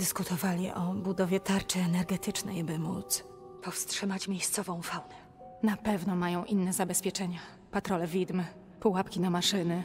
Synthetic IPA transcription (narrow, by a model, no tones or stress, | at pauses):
d̪ɘskut̪ʰɔvalʲiʔɔbud̪ɔvʲjɛt̪aɾt͡ʂɛːnɛɾɡɛt̪ʰɘt͡ʂnɛ̰jbɘmut̪s | pɔfstʂɘmat͡ɕmʲjejst̪sɔvɔ̃w̃fawnɛ | napɛvnɔmajɔ̃w̃ʔinːɛzabɛspʲjɛt͡ʂɛɲa | pat̪ɾɔlɛvʲid̪m | puwapkʲinamaʂɘnɘ